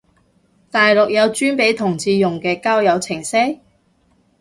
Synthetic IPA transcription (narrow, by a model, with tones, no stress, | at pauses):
t̪aː˨jlʊ˨k̚jɐ˨˧wt͡ʃyː˥npe˨˥jt̪ʰʊ˨˩ŋt͡siː˧jʊ˨ŋkɛː˧kaː˥wjɐ˨˧wt͡sʰɪ˨˩ŋsɛ˥j